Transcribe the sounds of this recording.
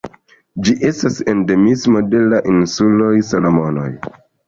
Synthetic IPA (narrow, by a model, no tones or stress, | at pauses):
d͡ʒiʔe̞stase̞nde̞mismo̞de̞laʔinsulo̞jsalomo̞no̞̰j